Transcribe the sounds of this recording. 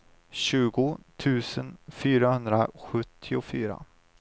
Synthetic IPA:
ɕʉ̟ːɡʊt̪ʰʉ̟ːsənfyːɾahɵnd̪ɾaɧɵt̪ʰːɪʊfyːɾa̰

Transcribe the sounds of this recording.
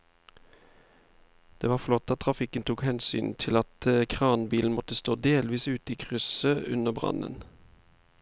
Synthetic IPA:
d̪̥eːʋɑːʁflɔt̪ːɑt̪̚ʰːʁɑfɪkənt̪ʰuːkhɛnsy̰ːnt̪ʰɪlɑt̪əkʰʁɑːnbiːln̩mɔt̪əst̪oːd̪eːlʋiːsʉːt̪əiːkʰʁʉsəʔʉnəʁbʁɑ̰nə̰n

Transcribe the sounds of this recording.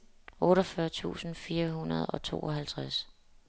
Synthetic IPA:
ɔ̽ːɾɒfɶɐt͡sʰṵːsn̩fiːɐɦunɐð̞ˠɒ̽t͡sʰo̝̰ːɒ̽ɦælt͡sʰʁas

